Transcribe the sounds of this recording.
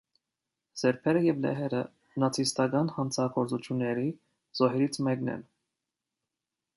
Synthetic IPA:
z̥ɛɾpʰɛɾəjɛvlɛ̰ɦɛɾə | nɑt͡sʰist̪ɑɡɑnhɑnt͡sʰɑɡɔɾt͡sut͡ʃʰjunːɛɾi | z̥ɔɦɛɾit͡sʰmɛknɛ̰n

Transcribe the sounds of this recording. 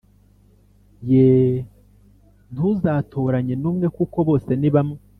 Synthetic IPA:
je | nuzaːtʰo̞ɾaɲe̞nuːmŋe̞kuko̞βo̞ːse̞niβamŋe

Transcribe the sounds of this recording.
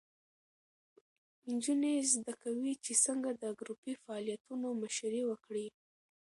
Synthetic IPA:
ɪnd͡ʒunezd̪akawit͡ʃesəŋɡad̪əɡɾupifaːlijat̪unomaʃɾiwəkɽi

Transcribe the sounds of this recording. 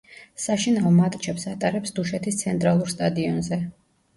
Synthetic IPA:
saʃinavɔmat̪ʼt͡ʃʰɛpsat̪ʼaɾɛpsd̪uʃɛt̪ʰist̪sʰɛnt̪ʼɾalˠuɾst̪ʼad̪iɔnzɛ

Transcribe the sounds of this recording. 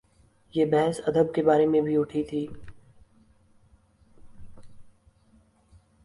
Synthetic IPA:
jeːbɛɦsɐd̪əb̚kebaːɾemẽbʱiʊʈʰit̪ʰiː

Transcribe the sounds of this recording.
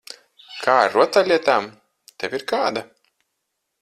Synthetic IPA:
kʰaːɾuɔt̪alʲiɛt̪aːm | t̪ɛviɾkaːd̪a

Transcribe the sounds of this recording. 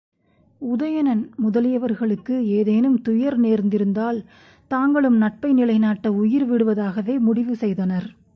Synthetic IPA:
ʊðɐjɐnɐnmʊðɐlɪjɐʋɐɾɣɐɭɯkːɯeːðeːnɯmt̪ʊjɐɾneːɾnd̪ɪɾɯnd̪aːl | t̪aːŋɡɐɭɯmnɐʈ̚pɐɪnɪɭɐɪnaːʈːɐʊjɪɾʋɪɽɯʋɐðaːɣɐʋeːmʊɽɪʋɯsɛjðɐnɐɾ

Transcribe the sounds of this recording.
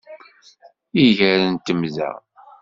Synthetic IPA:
iʝəɾənt̪əmzæ̰

